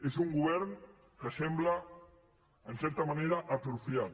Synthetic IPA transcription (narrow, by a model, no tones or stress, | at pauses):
esuŋɡuβɛɾn | kəsɛmblaː | nsɛɾt̪ɐmaneɾaʔat̪ɾufja